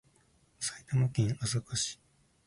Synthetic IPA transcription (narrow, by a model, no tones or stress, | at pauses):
sait̪amokʲĩŋasokoɕi̥